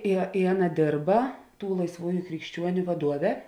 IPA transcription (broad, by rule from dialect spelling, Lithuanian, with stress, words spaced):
ɪ ɪ ˈɑːˌnɐ ˈdʲeːrbɐ ˈtuː lˠɐɪsˈʋuːjʊ krʲɪkʃʲˈt͡ʃʲuɔnʲʊ ʋɐˈduɔʋʲɛ